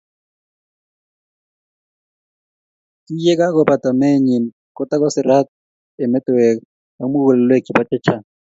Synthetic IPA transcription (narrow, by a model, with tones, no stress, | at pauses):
kʼi˦jɛ˦k̬ʼa˦kɔ˦ba˨tʼa˨me˦ɲi˨n̩ | kʼɔ˦tʼa˦kɔ˦sɪ˨ra˦t | ɛ˨mɛ˦tʼɛwɛ˨ka | ba˦mʊ˦ɣʊ˨lɛ˨lwe˦˨kʼi˨ba˦t͡ʃʼɛ˦t͡ʃʰaː˨n